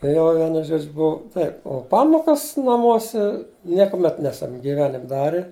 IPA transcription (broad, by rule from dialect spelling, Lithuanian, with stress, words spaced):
ˈjoː ˈʋʲiɛnʊ ˈʒoːd͡ʒʲʊ ˈbʊʋʊ ˈtɐɪp oː ˈpɑːmoːkɐs nɐˈmuɔsʲɛ ˈnʲiɛkʊˌmʲɛt ˈnʲæːsɐm ɡʲiːˈʋʲæːnʲɪmʲ ˈdɑːrʲɪ